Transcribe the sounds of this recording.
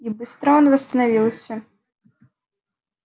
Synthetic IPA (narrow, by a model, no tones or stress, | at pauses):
ibɨst̪ɾaɔnvɐst̪ɐnavʲilˠsʲɐ